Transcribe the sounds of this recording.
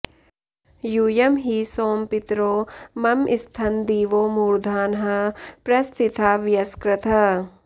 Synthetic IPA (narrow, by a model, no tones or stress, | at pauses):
juːjɐmɦiːsoːmpɪt̪ɾoːmɐmʔɪst̪ʰɐnd̪iːʋoːmuːɾd̪ʱaːnɦɐpɾɐst̪ʰɪt̪ʰaːʋjɐskɾɪt̪ʰɐ